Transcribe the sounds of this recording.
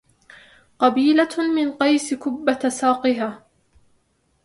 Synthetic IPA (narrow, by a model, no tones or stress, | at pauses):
qɑbiːlamɪnqɑjskʊbːat̪saːqɨɦaː